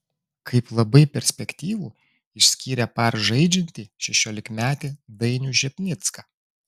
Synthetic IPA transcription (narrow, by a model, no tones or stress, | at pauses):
kʰɐɪplˠɐbɐɪpʲɛɾʲsʲpʲɛkʲt̪ʲiːʋuː | ɪʃʲsʲkʲiːɾʲɛpɐɾʒɐɪd͡ʒʲɛnʲt̪ʲiːʃʲɛʃʲoːlʲɪkmʲæːt̪ʲed̪ɐɪnʲuˑʒʲɛpʲnʲɪt̪skɐ